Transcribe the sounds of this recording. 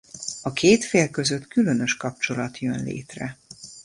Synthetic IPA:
ɒkʰeːt̪feːlkø̞zøt̪kylø̞nø̞ʃkɒp̚t͡ʃo̞lɒt̪jønlḛːt̪rɛ

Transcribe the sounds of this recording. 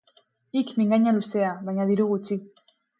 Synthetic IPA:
ikmiŋɡaɲaluseaβajɲaðiɾuɣut͡ʃi

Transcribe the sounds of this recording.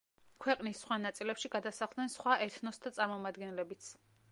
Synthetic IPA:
kʰwɛqʼnisːχwanat̪sʼilɛpʃiɡad̪asaχlˠd̪nɛnsχwaʔɛɾt̪ʰnɔst̪ʰat̪sʼaɾmɔmad̪ɡɛnɛlɛbit̪sʰ

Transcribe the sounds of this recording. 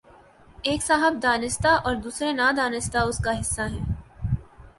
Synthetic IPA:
eːksaːɦəb̚d̪aːnɪst̪aʔɔːɾd̪uːsɾenad̪aːnɪst̪aʊskaɦɪsːaɦɛː

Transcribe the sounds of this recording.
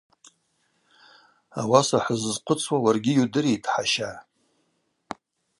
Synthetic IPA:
a̰wasaħəzzqʰʷʊt͡sʰwawarɡʲɪjudɨretʰʼħaʃa

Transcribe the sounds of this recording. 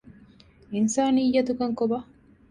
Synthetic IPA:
insaːnijːɐt̪ukɐŋkobɐ

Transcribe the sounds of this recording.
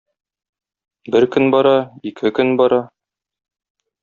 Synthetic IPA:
bɘɾkɵnbɒɾɑikʰɘkɵnbɒɾɑ

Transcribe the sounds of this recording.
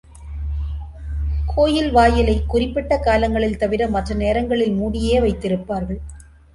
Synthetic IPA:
kʰoːjɪlʋaːjɐlɐɪkːʊrɪpːɪʈːɐkaːlɐŋɡɐɭɪlt̪ɐʋɪɾɐmːɐʈrɐneːɾɐŋɡɐɭɪlmuːɽɪjeːʋɐɪt̪ːɪɾɯpːaːɾɣɐɭ

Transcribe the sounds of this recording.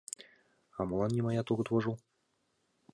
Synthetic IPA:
ɑmɤ̆lˠɑnːʲemɑjɑt̪uɣɤ̆t̪βɤ̆ʒɤ̆lˠ

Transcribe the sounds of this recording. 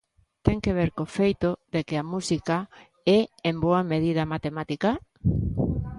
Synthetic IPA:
t̪ɛŋkeβ̞eɾkofejt̪oðekɪamusika | ɛemboameð̞ið̞ɐmat̪emat̪ika

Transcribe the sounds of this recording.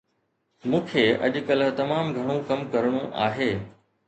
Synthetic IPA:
mũːkʰeːʔɐ̰ʄkəlt̪ɐmaːmɡʱɐɽ̃ũkɐmkɐɾɽ̃ũʔa̰ːɦeː

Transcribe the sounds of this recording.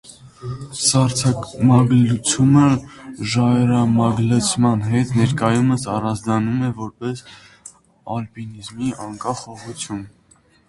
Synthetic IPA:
sɑɾt͡sʰɑmɑɡlut͡sʰjuməʒɑɛɾɑmɑɡlət͡sʰmɑnɦɛt̪nɛɾkɑjuməsɑrɑnd͡zd̪ɑnumɛvɔɾpɛs | ɑlpinizmiɑŋkɑχɔʁut͡sʰjun

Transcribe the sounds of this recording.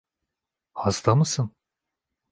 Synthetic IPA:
hazd̪amɯsɯn

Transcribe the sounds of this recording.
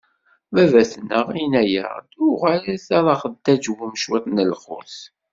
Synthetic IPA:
vævæθnəʁinæjə̰ʁd̪ʊʁælæθɑɾˤɑχəd̪ːæd͡ʒwumʃwæθnəlχʊ̰θ

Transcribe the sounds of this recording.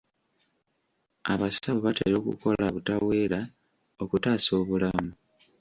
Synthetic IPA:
aβasaβoβatḛɾo̞ːkṵko̞laβutawe̞ːɾa | okutaːso̞ːβulamu

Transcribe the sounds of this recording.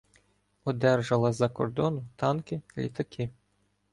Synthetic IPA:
ɔd̪ɛrʒɐlˠɐzɐkɔrd̪ɔnʊt̪ɑnkɪlʲḭt̪ɐkʰɪ

